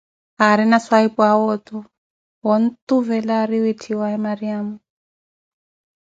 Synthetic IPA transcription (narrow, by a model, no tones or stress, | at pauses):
aɾinaswaipuawɔt̪u | wɔnt̪uvɛlaɾiwitʰiwaɛmaɾiamu